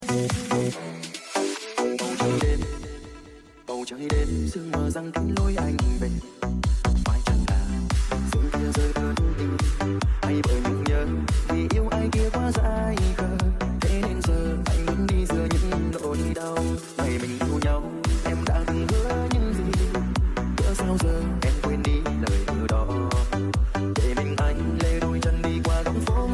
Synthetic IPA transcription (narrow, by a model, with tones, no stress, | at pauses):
ɓə˨˩wt͡ɕə˧˦jɗe˧n | ɓə˨˩wt͡ɕəː˧˦jɗe˧nsɨ˧əŋməː˨˩za˧ŋk̪i˨˧˦ŋ̟lo˧jʔa˧jŋi˨˩ve˨˩t | mwa̰ː˧˩jt͡ɕa˧ŋlaː˨˩sɨ˧ŋt̪i˧˥əwzəː˧jkə˧˦t̪t̪ḭ˧˦ŋ̟ʔa˧jvə̰ː˧˨˩jɲɨ˧ŋɲəː˧˩ | vi˨˩ʔi˨˧˦əwʔaː˧jki˧əkwaː˨˦zaː˧˥˧jkəː˧˩ɗ̪ḛ˧˥ne˧nzəː˨˩ʔa˧˩jŋ̟və˧˦nɗi˧zɨ˧əɲɨ̰˧˥ŋ˧ŋlo̰˧˨zi˧˦ɗa˧w | mə˨˩jmï˨˩ŋ̟t̪u˧ɲa˧w | ʔɛ˧mɗa̰ː˧˥zi˧və˧˦ɲɨ˧˥nzḭ˧˨˩ | kə̰˧˨˥saː˧wzəː˨˩ʔɛ˧mkwe˧nɗi˧ | ləː˨˩jt̪ɨ˧˩əɗɔ˨˦ | ɗḛ˧˩mï˨˩ŋ̟ʔa˧˩jŋ̟lə˧jzo˧˩jt͡ɕə˧nɗi˧kwaː˧ɣə˨˧˦wŋ͡mfo˧˦